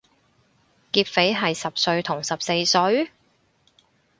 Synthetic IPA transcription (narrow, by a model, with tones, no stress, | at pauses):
kiː˧p̚fe˨˥jɦɐ˨jsɐ˨p̚sɵ˧ɥt̪ʰʊ˨˩ŋsɐ˨p̚se˧jsɵ˨˥ɥ